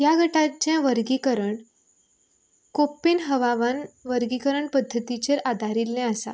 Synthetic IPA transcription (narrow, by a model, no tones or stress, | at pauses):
jaɡəʈat͡ɕãʋəɾɡikəɾəɳ | kopːinɦəʋaʋanʋəɾɡikəɾəɳpəd̪ʱːət̪it͡ɕeɾad̪ʱaɾilːɛ̃əsa̰